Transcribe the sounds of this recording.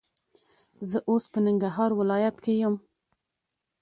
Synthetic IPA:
zəʔospənɪŋɡɾaɦɑɾwɪlɑjat̪kejəm

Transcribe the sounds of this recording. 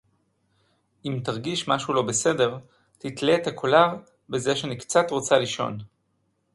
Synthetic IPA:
imt̪aʁɡiʃmaʃulo̞bese̞de̞ʁ | tit̪leːt̪akʰolaʁ | bezeʃeanikt͡sat̪ʁo̞t͡saliʃo̞̰n

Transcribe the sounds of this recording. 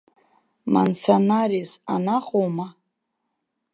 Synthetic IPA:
ma̰nt͡sʰonarisanaχoma

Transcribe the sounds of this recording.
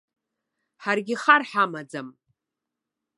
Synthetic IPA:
ħarɡʲɪχarħamad͡zam

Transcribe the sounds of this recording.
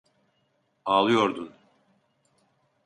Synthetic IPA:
aːlˠɯjoɾd̪un

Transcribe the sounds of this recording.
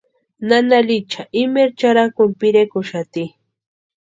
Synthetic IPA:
nanalit͡ʃaʔɪmeɾt͡ʃaɾakʊmpɪɾekʊʃat̪i

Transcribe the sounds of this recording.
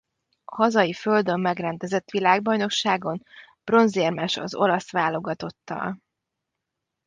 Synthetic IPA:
ɒhɒzɒjifø̞ld̪ø̞mːɛɡrɛnd̪ɛzɛt̪ːʋilaːɡ̚bɒjno̞kʃaːɡo̞n | b̥ro̞nzermɛʃɒ̰zo̞lɒsʋaːlo̞ɡɒt̪o̞t̪ːɒ̰l

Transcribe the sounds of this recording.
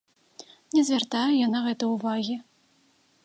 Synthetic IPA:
nʲɛzʲvʲart̪ajɛjanaɣɛt̪ɨjuvaɣʲi

